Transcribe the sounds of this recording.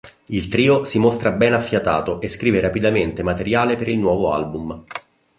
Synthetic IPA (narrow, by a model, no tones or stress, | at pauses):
ilt̪ɾiːosimost̪ɾabɛnafːjat̪aːt̪oʔeskɾiːveɾapid̪ament̪emat̪eɾjaːlepeɾilnwɔːvoa̰lbum